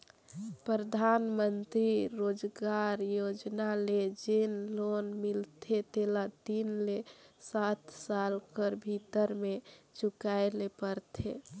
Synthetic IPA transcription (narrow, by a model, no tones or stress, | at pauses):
pɾɾəd̪ʱanmənt̪ɾiɾod͡ʒɡaɾjod͡ʒnaled͡ʒenlonmilt̪ʰet̪elat̪inlesat̪salkəɾbʱit̪əɾmet͡ʃukaelepəɾt̪ʰḛ